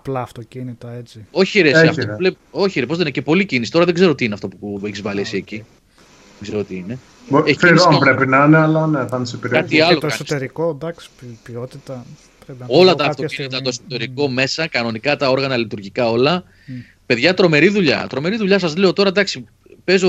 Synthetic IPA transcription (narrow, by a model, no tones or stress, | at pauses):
ɐplɐːft̪ocinit̪ɐet͡sioçieɾesiɐftoleo̞çiɾepozðenecepo̞licinisi̥t̪oɾɐðe̞ɡze̞ɾot̪iineɐft̪o̞pueçizvɐliesieci | ðeɡzeɾot̪iine̞ | boefiɾopɾe̞pinɐneɐlɐneθɐnsepeɾikɐt̪iɐloɐnsoist̪eɾiko̞d̪ɐksi̥piot̪it̪ɐ | pɾepino̞lɐt̪ɐːft̪ocinit̪ɐt̪osot̪e̞ɾiko̞me̞sɐkɐno̞nikɐt̪ɐo̞ɾɣɐnɐlit̪uɾʝikɐo̞lɐ | pe̞ðʝɐt̪ɾo̞me̞ɾiðuʎɐ̰t̪ɾo̞me̞ɾiðuʎɐsɐzle̞o̞t̪o̞ɾɐd̪ɐksi | pe̞zo